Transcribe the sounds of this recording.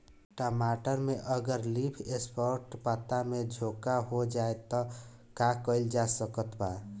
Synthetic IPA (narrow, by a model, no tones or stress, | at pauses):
ʈəmaʈəɾmeʔəɡəɾlipʰespʰəɾʈpat̪amed͡ʒʱokaɦod͡ʒaet̪ɔkakəɪld͡ʒasəkət̪ba